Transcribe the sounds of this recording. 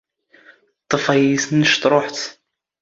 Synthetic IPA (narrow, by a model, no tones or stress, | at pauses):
t̪ˤːəfɑjisnːəʃt̪ɾˤoħt̪